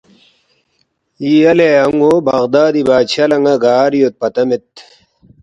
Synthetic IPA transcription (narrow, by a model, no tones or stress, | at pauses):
iɐleɐŋɡoːbɐɣd̪aːd̪ibaːt͡ɕʰɐlɐŋɡɐɡaːɾijot̪̚pɐt̪ɐmet̪